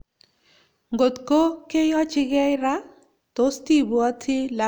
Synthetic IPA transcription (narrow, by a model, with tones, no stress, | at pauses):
ŋɡo˨t̪ko˦ke˦jɔ˦t͡ʃɪ˦ɡɛ˦jɾa˦ | t̪o˨˦st̪i˦bua˦t̪ʰɪ˦la˨